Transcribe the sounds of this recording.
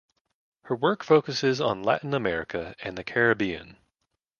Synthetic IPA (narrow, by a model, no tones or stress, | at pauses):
hə˞wɜ˞kfoʊkɨsɪzn̩læ̰ʔn̩əmɛɹɨkʰɨɨ̃nðɨkʰɛɹɨbiɨ̰̃n